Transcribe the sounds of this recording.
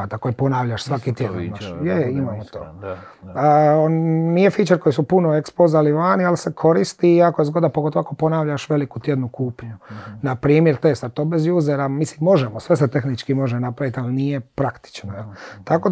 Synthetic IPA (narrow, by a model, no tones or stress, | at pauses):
at̪ako̞jipo̞naʋʎaʃsʋakit̪jed̪naʃjeimaːmot̪o̰ː | nnijefit͡ʃeko̞jisupunoekspozaliʋaːnialse̞kʰo̞ɾist̪iːakojezɡo̞d̪apoɡo̞t̪oakopo̞naʋʎaʃʋe̞likut̪je̞d̪nukuːpɲunapɾiːmjeɾt̪est̪aɾt̪oːbezjuːzeɾamislimːo̞ʒemosʋeset̪e̞xnit͡ʃkimo̞ʒenapɾaʋit̪alnije̞pɾakt̪i̥t͡ʃnoelt̪akod